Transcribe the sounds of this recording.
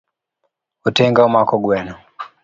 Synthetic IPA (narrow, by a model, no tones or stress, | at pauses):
utɛŋɡaumakɔɡwɛnɔ